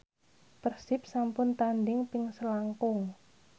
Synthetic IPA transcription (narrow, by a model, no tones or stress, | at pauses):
pərsɪp̚sampʊnt̪andɪŋpɪŋsəlaŋkʊŋ